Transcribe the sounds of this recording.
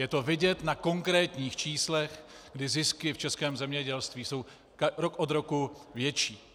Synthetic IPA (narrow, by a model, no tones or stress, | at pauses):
jɛt̪o̞vɪɟɛt̪nako̞ŋkɾɛːt̪ɲiːxt͡ʃiːslɛx | ɡdɪzɪskɪft͡ʃɛskɛːmzɛmɲɛɟɛlst̪viːso̞w | ɾokʔod̪ɾo̞kuvjɛt͡ʃiː